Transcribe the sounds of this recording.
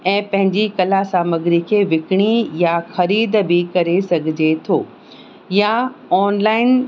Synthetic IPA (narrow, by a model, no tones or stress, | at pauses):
ɛ̃ːpɐ̃ɦɪ̃ɲd͡ʑikɐlasaːməɡɪɾikʰeːʋɪkɪɽ̃ijaxɐɾiːd̪bɪkɐɾesɐɡʱɪd͡ʑet̪ʰoː | jaɔːnlaːɪn